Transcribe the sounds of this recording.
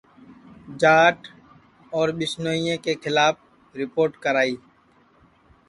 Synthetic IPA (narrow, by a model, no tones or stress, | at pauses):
d͡ʒaːʈ | ɔːɾɓɪsnoːijẽkekʰɪlaːp̚ʰ | ɾɪpoːɾʈkəɾaːiː